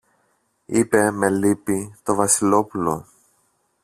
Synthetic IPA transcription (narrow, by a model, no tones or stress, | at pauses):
ipe̞me̞lipit̪o̞vɐsilo̞pulo̞̰